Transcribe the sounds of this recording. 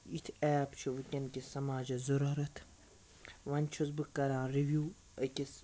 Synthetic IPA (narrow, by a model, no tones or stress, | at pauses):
it̪ʰɛːpt͡ʃʰiʋɨkʲɐnkisɐmaːd͡ʒɐzɐɾɐɾɐt̪ʰ | ʋɐnʲt͡ʃʰuzbɨkːɐɾãːɾiʋjuː | ɐkʲis